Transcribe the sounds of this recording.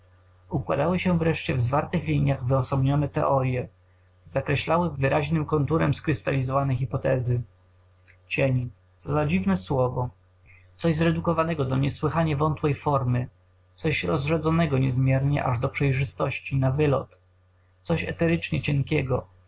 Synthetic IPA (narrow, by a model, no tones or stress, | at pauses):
ukwa̰d̪awɘɕɛvɾɛʂt͡ɕɛvzvaɾt̪ɘxlʲiɲjaɣvɘɔsɔbɲɔnɛt̪ɛ̰ʔɔɾʲjɛ | zakɾɛɕlawɘvɘɾʔaʑnɘmkɔnt̪uɾɛmskɾɘst̪alʲizɔvanɛxʲipɔt̪ɛzɘ | t͡ɕɛɲi | t̪sɔzad͡ʑivnɛswɔvɔ | t̪sɔʑzɾɛd̪ukɔvanɛɡɔd̪ɔɲɛswɘxaɲavɔnt̪wɛjfɔɾmɘ | t̪sɔɕɾɔzʐɛd̪zɔnɛɡɔɲɛzmʲjɛɾɲɛ̰ʔa̰ʐd̪ɔpʂɛjʐɘst̪ɔɕt͡ɕinavɘlɔ̰t̪ | t̪sɔɕɛ̰t̪ɛɾɘt͡ʂɲɛt͡ɕɛŋkʲɛɡɔ